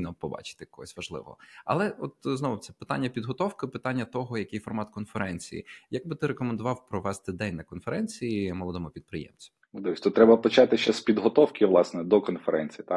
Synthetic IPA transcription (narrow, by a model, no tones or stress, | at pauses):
nɔpɔbɑ̰t͡ʃɪ̥t̪ɪkɔɦɔsʲʋɐʒlˠɪ̰ʋɔ̰ɔ̰ɐ̰lˠɛɔt̪znɔʋʊt̪ɛ̥pɪ̥t̪a̰nʲːɐpʲid̪ɦɔt̪ɔwkɪpɪt̪anʲːɐt̪ɔɦɔjɐkɪjfɔrmɑt̪kɔnfeɾɛnʲt͡sʲḭjḭjɐɡ̚bɪt̪ɪɾekɔmend̪ʊʋɑwpɾɔʋɛst̪ɪd̪ɛnʲnɐkɔnfeɾɛnʲt͡sʲijimɔlˠɔd̪ɔmʊpʲid̪̚pɾɪjɛ̰mt͡sʲɐ | ʊd̪ʋʲisʲt̪ut̪ːɾɛbɐpɐt͡ʃɑt̪ɪʃt͡ʃɛspʲid̪ɦɔt̪ɔwkɪʋlˠɑsnɛd̪ɔkɔnfeɾɛnʲt͡sʲijit̪a